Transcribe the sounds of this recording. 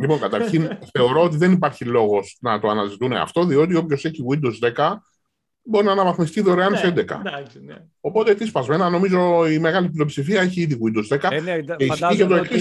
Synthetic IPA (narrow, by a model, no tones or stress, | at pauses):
lipo̞ŋkɐt̪ɐɾçinθe̞o̞ɾo̞ot̪̬iðe̞nipɐɾçilo̞ɣo̞snɐt̪oɐnɐzit̪unḛɐ̰ft̪o̞ðio̞t̪io̞pço̞se̞çiɣwind̪ozðe̞kɐ | bo̞ɾinɐnɐvɐθmist̪iðoɾeɐnsend̪e̞kɐ̰ | o̞po̞t̪et̪ispɐzme̞nɐno̞mizo̞ime̞ɣɐliplio̞psifiɐeçiiðiɣwind̪ozðekɐeiiʝet̪oek